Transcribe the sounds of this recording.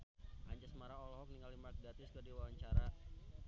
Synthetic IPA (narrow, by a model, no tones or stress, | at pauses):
ʔa̰ɲd͡ʒasəmaɾaŋɔlɔɦɔk̚niŋɡalimark̚dat̪ɪskərdiwawaɲt͡ʃaɾa